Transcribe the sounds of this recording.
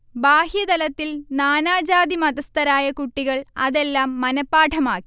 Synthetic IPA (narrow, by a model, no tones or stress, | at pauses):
baːhjɐd̪ɐlɐt̪ːilnaːnaːd͡ʑaːd̪imɐd̪ɐst̪ɐɾaːjɐkuʈːiɣɐɭɐðe̞lːaːmːɐnɐpːaːʈʰɐmaːkːi̥